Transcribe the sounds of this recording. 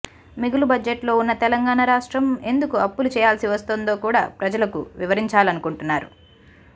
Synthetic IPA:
miɡulubɐd͡ʒeʈlo̞ːunːɐt̪ɛlɐŋɡaːɳaɾaːʂʈɾɐme̞nd̪ukuɐpːulut͡ʃɛːjaːlsiʋɐst̪oːnd̪o̞ːkuːɽa̰ːpɾɐd͡ʒɐlɐkṵʋiʋɐɾiɲt͡ʃaːlɐnukuɳʈunːaːɾṵ

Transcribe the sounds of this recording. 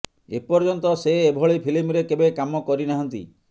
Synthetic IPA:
epɔɾd͡ʒɔnt̪ɔseːbʱɔɭipʰilimɾekebekamɔkɔɾinaɦɔnt̪ḭ

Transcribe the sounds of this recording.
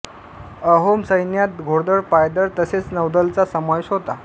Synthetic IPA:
əɦomsəjnjat̪̚ɡʱoɽd̪əɽpajd̪əɾt̪əset͡snəwd̪əlt͡sasəmajosɦot̪a

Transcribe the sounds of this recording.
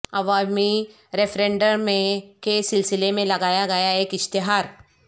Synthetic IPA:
ɐʋami | ɾefɾẽɳɖəɾmẽkesilsilemẽlɐɡaːjaɡɐjaeːkɪʃt̪ɪɦaɾ

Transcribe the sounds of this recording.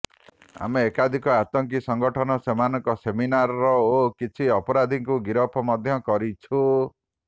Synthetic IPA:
a̰meːkad̪ʱikɔat̪ɔŋk̬isɔŋɡɔʈʰɔnɔsemanɔŋkɔseminaɾɔɾɔokit͡ʃʰiɔpɔɾad̪ʱiŋkuɡiɾɔpʰɔmɔd̪ʱjɔkɔɾit͡ʃʰu

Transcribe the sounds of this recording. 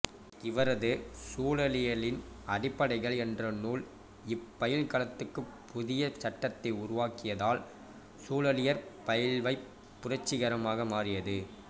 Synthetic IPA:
ɪʋɐɾɐðɯsuːlɐlɪjɐɭɪnɐɽɪpːɐɽɐɪɣɐɭɛndrɐnuːl | ɪpːɐjɪlkɐɭɐt̪ːɯkːɯpʰːʊðɪjɐt͡ʃɐʈːɐt̪ːɐɪʊɾʊʋaːkɪjɐðaːl | suːlɐlɪjɐɾpɐjɪlʋɐɪpː | ʊrɐt͡ʃːɪɣɐɾɐmaːɣɐmaːrɪjɐðɯ

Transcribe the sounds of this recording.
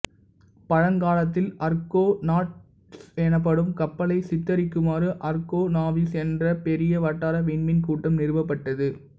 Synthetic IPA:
pɐɻɐŋɡaːlɐt̪ːɪlɐɾkoːnaːʈ | sɛnɐp̬ːɐɽɯmkɐpːɐlɐɪsɪt̪ːɐɾɪkːɯmaːɾɯʔɐɾkoːnaːʋisɛndrɐpɛɾɪjɐʋɐʈːaːɾɐʋɪɳmɪnkuːʈːɐmnɪɾɯʋɐpːɐʈːɐðɯ

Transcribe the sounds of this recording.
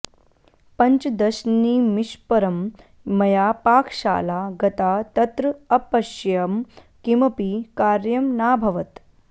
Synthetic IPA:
pɐ̃ɲt͡ʃd̪ɐʃniːmiʃpɐɾɐmː | ɐjaːpaːkʰʃa̰ːlaːɡɐt̪aːt̪ɐt̪ɾɐɐpɐʃjɐm | kimɐpikaːɾjɐmnaːbʱɐʋɐt̪

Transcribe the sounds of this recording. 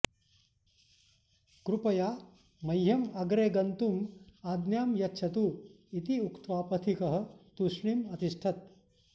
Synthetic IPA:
kɾupɐjaː | mɐjɦɐmɐɡɾeːɡɐnt̪umaːd̪njaːmjɐtːʃʰɐt̪u | it̪iukt̪ʋaːpɐt̪ʰikɐɦɐ̆t̪uʂɳimɐt̪iʂʈʰɐt̪̚

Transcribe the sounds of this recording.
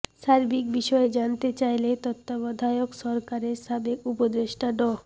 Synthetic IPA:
ʃaɾbʱikbiʃɔed͡ʑant̪et͡ɕajlet̪ɔt̪ːabɔd̪ʱajokʃɔɾkaɾeɾʃabekupod̪eʃʈaɖɔ

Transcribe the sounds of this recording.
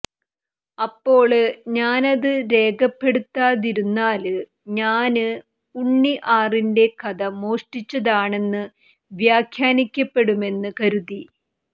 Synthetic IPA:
ɐpːo̞ːɭɲaːnɐðɨɾe̞ːɡɐpːe̞ɽut̪ːaːðiɾunːaːlɨ | ɲaːnɨ | uɳːiʔaːrinde̞kɐðɐmo̞ːʂʈit͡ɕːɐðaːɳe̞nːɨ | ʋjaːkʰjaːnikʲːɐpːe̞ɽume̞nːɨkɐɾuði

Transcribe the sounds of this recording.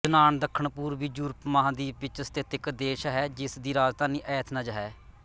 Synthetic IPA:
d͡ʒənaːɳd̪əkʰːəɳpuːɾʋiːd͡ʒuɾpmaɦãːd̪iːpɪt͡ʃəst̪eːt̪ɪkd̪eːʃɦɛːd͡ʒɪsd̪iːɾaːd͡ʒt̪ãːniːʔɛːt̪ʰnaːd͡ʒɦɛː

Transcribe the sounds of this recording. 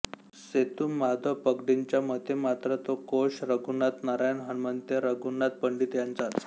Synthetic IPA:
set̪uːmad̪ʱəpəɡɖiɲt͡ɕjamət̪ʰemat̪ɾət̪okoɕɾəɡunat̪naɾajnɦənmənt̪eɾəɡunːat̪̚pəɳɖiːt̪jant͡sat̪

